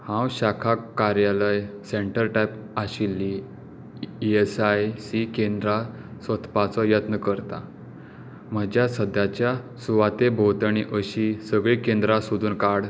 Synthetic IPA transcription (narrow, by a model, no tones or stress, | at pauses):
hãwɕakʰakːaɾjaləjseɳʈəɾʈajp | aɕilːi | iesajsikend̪ɾa | sət̪ʰpat͡sɔjət̪nəkəɾt̪a̰ | m̤əd͡ʑjasəd̪jat͡ɕja | suʋat̪ebʱot̪əɳ̃iʔəɕisəɡɭikend̪ɾasud̪ʱuːnkaɽ